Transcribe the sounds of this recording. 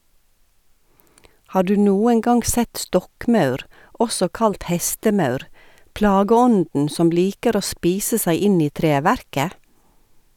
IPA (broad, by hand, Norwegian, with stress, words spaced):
ˈhɑː ˈɖʉː ˈnuːəŋ ˈɡɑŋɡ ˈsɛt ˈstɔkˌmɑʉɾ ˈɔsɔ ˈkɑlt ˈhɛstəˌmɑʉɾ ˈplɑːɡəˌɔndn̩ ˈsɔm ˈliːkəɾ ˈoː ˈspiːsə ˈsæɪ ˈɪn ˈiː ˈtɾeːʋæɾkə